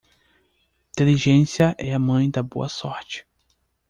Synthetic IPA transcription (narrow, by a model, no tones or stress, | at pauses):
t̪eliʒẽsiɐʔɛɐmɐ̃j̃d̪ɐbo̰ɐsɔɾt͡ʃɪ̥